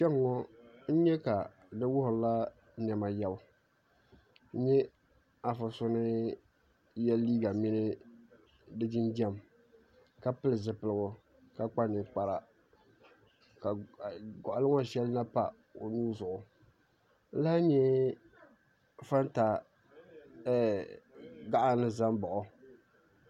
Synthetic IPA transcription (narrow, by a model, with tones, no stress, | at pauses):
ʃɛ˦ŋ˦˨ŋɔ˦n̩˦ɲɛ˦ka˨ | nɨ˦wʊ˦hʊ˨˦la˦ | n˨ɛ˨ma˨jɛ˦bʊ˨ | n̩˦ɲɛ˦ | a˨fa˨sʊ˦nɨ˦ | jɛ˦lːiː˦ɡa˨mɪ˦nɨ˦ | dɨ˦d͡ʒɪ˦nd͡ʒɛ˦˨m | ka˦pɨ˦lɨ˨zɨ˨pɨ˨lɨ˦ɡʊ˨ | ka˦k͡pa˦nɨ˨k͡pa˨ɾa˨ | ka˨ɡɔ˨ʔʊ˨lɨ˦ŋɔ˦˨ʃɛ˦lna˦pa˨ | o˨nuː˦zʊ˨ʔʊ˨ | n̩˦la˦ɲɛ˦ | fa˦n˦ta˨˦ | ɡa˦ʔa˨nɨ˦za˦mbɔ˨ʔʊ˨